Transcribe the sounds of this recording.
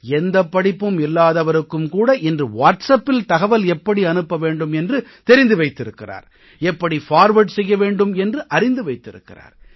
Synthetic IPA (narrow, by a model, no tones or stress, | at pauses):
ɛnd̪ɐpːɐɽɪpːɯmɪlːaːðɐʋɐɾɯkːɯmkuːɽɐʔɪndrɯʋaːʈsɐpːɪlt̪ɐɣɐʋɐlɛpːɐɽiɐnɯpːɐʋeːɳɖɯmɛndrɯt̪ɛɾɪnd̪ɯʋɐɪt̪ːɪɾɯkːɪra̰ːɾ | ɛpːɐɽifaːɾʋɐʈsɛjːɐʋeːɳɖɯmɛndrɯʔɐɾɪnd̪ɯʋɐɪt̪ːɪ̰ɾɯ̰kːɪ̰ra̰ːɾ